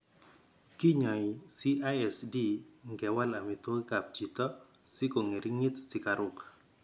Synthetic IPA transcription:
ki˦ɲɔ˨ɪ˨si˦a˦jɛ˨sdi˦ŋɡɛ˨wa˦la˨mɪ˨to˦kka˨p̚t͡ʃi˨t̪ɔ˦ | sɪ˦ko˨ŋe˨ɾʔi˦ŋe˦t̪sɪ˨ka˨ɾʊ˨k

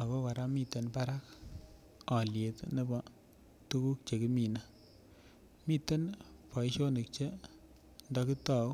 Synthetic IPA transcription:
a˨bɔ˦wa˨ɾa˦mi˦˨t̪ːe˨npa˦ɾa˦k | ɔ˨lje˨t̪ne˦bɔ˨ | tu˦ku˦k̚t͡ʃe˨ki˦mi˨na˦ | mi˦tːe˦npa˨i˦ʃo˦ne˨k̚t͡ʃe˦ | ndɔ˦ki˦ta˦˨˦

